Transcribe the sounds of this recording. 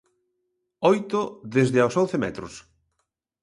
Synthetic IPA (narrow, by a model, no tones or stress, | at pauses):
ɔjt̪oðezðɪawsonθemɛ̰t̪ɾʊ̰s